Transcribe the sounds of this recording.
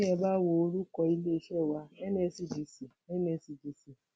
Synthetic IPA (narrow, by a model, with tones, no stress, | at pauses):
ɛ˧ba˦wo˧o˧ɾu˦kɔ˧i˧le˦i˧˦ʃɛ˦˨wa˧ɛ˦nɛ˦˧˨si˨d͡ʒi˨si˨ | ɛ˦nɛ̃˦˨˧si˧d͡ʒi˨si˨